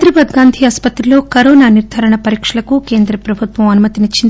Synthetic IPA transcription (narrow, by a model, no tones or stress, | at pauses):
ɾibaːd̪ɡaːnd̪ʱiaːspɐt̪ɾilo̞ːkɐɾoːnaːniɾd̪ʱaːɾɐɳɐpɐɾiːkʂɐlɐkuke̞ːnd̪ɾɐpɾɐbʱut̪ʋɐmɐnumɐt̪init͡ʃːind̪